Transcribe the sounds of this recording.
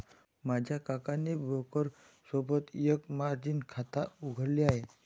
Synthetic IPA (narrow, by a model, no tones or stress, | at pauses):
mad͡ʑʱjakakanebʱokəɾ | səbət̪jəkmaɾd͡ʑinkʰat̪auɡʱəɽliaɦe